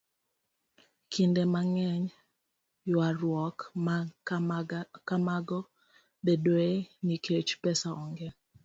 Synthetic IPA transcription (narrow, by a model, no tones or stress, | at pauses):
kʰindemaŋɛɲ | jwaɾwɔk | kamaɡɔ | bedwoenikʰet͡ʃpɛsaʔɔŋɡɛ